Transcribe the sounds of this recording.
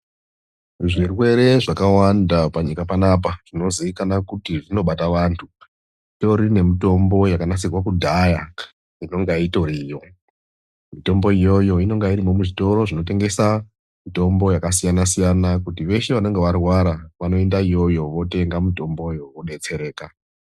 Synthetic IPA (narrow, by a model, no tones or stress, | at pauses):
ʐirwe̞ɾe̞ʐakawandapaɲikapanap̬aʐ̥ino̞ziikanakutiʐino̞ɓataʋantʰu | to̞ɾine̞mito̞mbo̞jakanat͡sirwakudʱaja | ino̞ŋɡaito̞ɾijo̞ | mito̞mbo̞ijo̞jo̞ino̞ŋɡaiɾimo̞muʐito̞ɾo̞ʐino̞t̬e̞ŋɡe̞sa | mito̞mbo̞jakasijanasijanakutiʋe̞ʃe̞ʋano̞ŋɡeʋarwaɾaʋano̞endaijo̞jo̞ʋo̞te̞ŋɡamito̞mbo̞jo̞oɗe̞t͡se̞ɾe̞ːka